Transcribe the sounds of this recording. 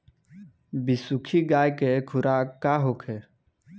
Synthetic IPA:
bisukʰiɡaːjkekʰʊɾʔaaːɦokʰe

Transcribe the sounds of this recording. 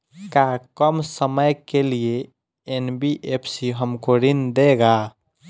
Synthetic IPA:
kakəmsəməjkelie | enbiʔepʰsiɦəmkoɾind̪eɡa

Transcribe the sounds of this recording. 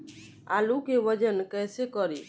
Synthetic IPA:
alukeʋəd͡ʒənkəjsekɔɾi

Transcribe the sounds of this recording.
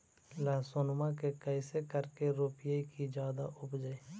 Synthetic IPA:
laːsonmãk̬ekəɪsekəɾkeɾoːpɪjaikid͡ʒjaːd̪a̰ʔʊbd͡ʒaeː

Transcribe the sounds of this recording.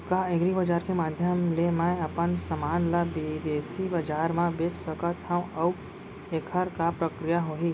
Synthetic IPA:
kaeɡɾibɐd͡ʒaːɾkemaːd̪ʱjəmlemə̃ɐpənsɐmaːnlabid̪eːsibɐd͡ʒaːɾmãbet̪səkət̪ʰãɐw | eːkʰəɾkapɾəkɾijaɦoːɦiː

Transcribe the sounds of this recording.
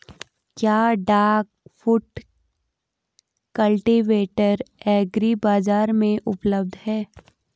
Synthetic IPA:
kjaːɖaːɡfʊʈ | kəlʈiʋeːʈəɾɛːɡɾibaːzaːɾmẽʔʊpləb̚d̪ʱhɛː

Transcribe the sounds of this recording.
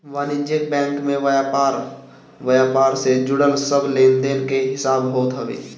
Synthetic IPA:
ʋaːnid͡ʒək̚bɛ̃ːŋkmẽʋəjapaːɾ | ʋəjaːpaːɾsed͡ʒʊɽəlsəbleːnd̪eːnkeɦɪsaːbɦoːt̪ɦəʋḛː

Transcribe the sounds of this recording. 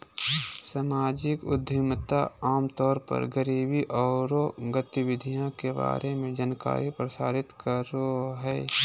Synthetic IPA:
samaːd͡ʒɪkʊ̰d̪ʱɪmt̪aaːmt̪ɔːɾpə̰ɾɡəɾiːbiʔɔːɾoɡət̪iʋɪd̪ʱijãkeba̰ːɾemẽd͡ʒanka̰ːɾipɾəsa̰ːɾɪt̪kəɾoɦɛː

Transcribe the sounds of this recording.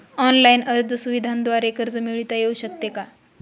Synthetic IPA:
ɔnlainəɾd̪ʱəsuʋid̪ʱand̪ʋaɾekəɾd͡zəmiɭit̪ajeuɕək̚t̪eka

